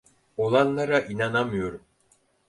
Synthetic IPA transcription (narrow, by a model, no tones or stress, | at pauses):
olˠɑnːɑɾɑʔinɑnɑmujoɾ